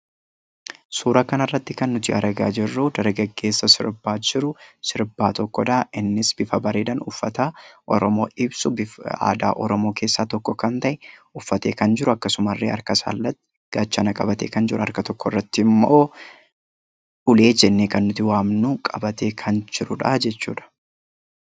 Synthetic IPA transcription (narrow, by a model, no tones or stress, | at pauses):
suːɾɐkɐnɐrːɐt̪ːɪkɐnːʊt̪ɪʔɐɾɡa̰ːd͡ʒɪrːud̪ɐɾɡɐɡːe̞ːsːɐsɪ̰ɾbaːd͡ʒɪɾʊsɪɾbaːt̪ɔkːɔd̪ɐʔɪnːɪsbɪfɐbɐɾeːd̪ɐnʊfːɐt̪aʔɔɾɔmoːɪbsʊbɪa̰ːd̪a̰ːʔɔɾɔmo̞ːke̞ːsːaːt̪ɔkːɔkɐnt̪ɐʔɛʊfːɐt̪e̞ːkɐnd͡ʒɪɾʊɐkːɐsʊmɐrːeːɐ̰ɾkɐsa̰ːlːɐt̪ː | ɡ̥aːt͡ʃːɐnɐkʼɐbɐt̪ḛːkɐnd͡ʒɪɾʊɐ̰ɾkɐt̪ɔkːɔrːɐt̪ːɪɪmːoː | ʔʊle̞ːd͡ʒɛnːeːkɐnːʊt̪ɪwaːmnuːkʼɐbɐt̪e̞ːkʰɐnd͡ʒɪɾʊᶑɐd͡ʒɛt͡ʃːṵːᶑɐ̥